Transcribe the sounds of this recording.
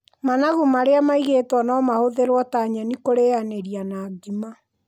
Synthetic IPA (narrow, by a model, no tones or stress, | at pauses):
manaɣumaɾeamaiɣetwanɔmahoðeɾwɔtaːɲanikoɾeaneɾianaːɡima